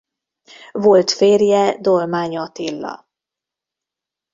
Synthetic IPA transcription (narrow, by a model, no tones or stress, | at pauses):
vo̞lt̪feːrjɛd̪o̞lmaːɲɒt̪ilːɒ̰